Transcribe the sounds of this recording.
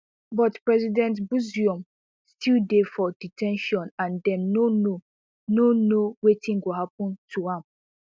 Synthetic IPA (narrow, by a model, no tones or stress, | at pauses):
bɔtpɹɛzidɛ̃ntbuziɔ̃m | stildefɔditʰɛ̃nʃɔ̃nãndɛ̃nːono | nonowetĩnɡoɦapɔ̃ntʰuãm